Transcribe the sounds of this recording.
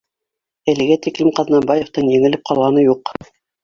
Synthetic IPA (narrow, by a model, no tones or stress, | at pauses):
ɘ̆lɘ̆ɡæt̪iklɘmqɑðnɑmbɑjeft̪ɤɴjɘ̆ŋɘ̆lɘp̚qʰɑlˠʁɑnɤjuq